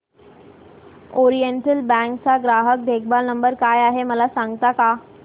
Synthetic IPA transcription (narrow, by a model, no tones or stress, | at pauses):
ɔɾijeɳʈəlbɛ̃ŋkt͡saɡɾaɦək̚d̪ʱekʰbalnəmbəɾkajaɦeməlasãŋɡt̪aka